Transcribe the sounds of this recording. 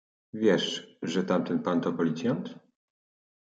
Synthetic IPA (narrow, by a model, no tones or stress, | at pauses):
vʲjɛʂʐɛt̪amt̪ɛnpant̪ɔpɔlʲit̪sʲjant̪